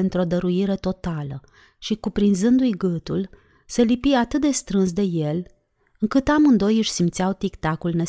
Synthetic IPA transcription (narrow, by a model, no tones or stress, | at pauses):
nt̪ɾo̞d̪əɾuiɾe̞t̪o̞t̪alə | ʃikupɾinzɨnd̪ujɡɨt̪ul | selipiat̪ɨt̪̚d̪e̞st̪ɾɨns̬d̪e̞je̞l | ɨŋkɨt̪amɨnd̪o̞jɨʃʲsimt̪sijawt̪ikt̪akulne